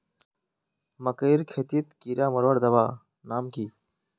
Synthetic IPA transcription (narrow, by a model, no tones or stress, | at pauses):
mɐkəjɾkʰeːt̪iːt̪kiɾaːmɐɾʋɐɽd̪ɐʋaː | naːmkiː